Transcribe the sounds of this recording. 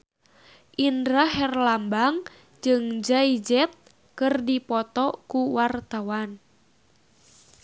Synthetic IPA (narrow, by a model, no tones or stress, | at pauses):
ʔindɾaɦɛrlambaŋ | d͡ʒɨŋd͡ʒaid͡ʒɛt̪̚ | kɨrdipɔt̪ɔkuwart̪awan